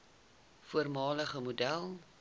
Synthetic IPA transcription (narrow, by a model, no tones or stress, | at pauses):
fuərmɑːləχəmudælˠ